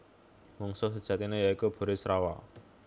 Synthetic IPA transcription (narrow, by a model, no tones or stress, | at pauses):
mɔŋsʊsəd̥ʒ̥ä̤t̪inejaikub̥o̤ɾɪsɾawa̰